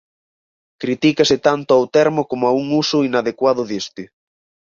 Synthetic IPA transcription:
kɾit̪ikasɪt̪ant̪ʊawt̪ɛɾmokomʊauŋusʊinaðekwað̞ʊðest̪ɪ

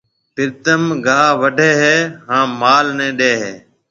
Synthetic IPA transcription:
pɪɾt̪əmɡʱaːʋəɖʱeːɦɛːɦãːmaːlnɛ̃ːɗeːɦɛː

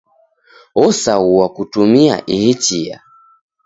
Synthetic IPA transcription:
ɔsauwakutumia̰ʔihit͡ʃia̰

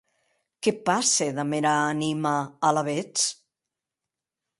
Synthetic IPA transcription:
kepaseðameɾaanimaːlaβet͡s

